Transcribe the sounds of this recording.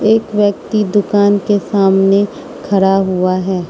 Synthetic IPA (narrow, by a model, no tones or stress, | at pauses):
eːkʋjək̚t̪id̪ʊkaːnkesaːmne | kʰɐɾaɦuaɦɛː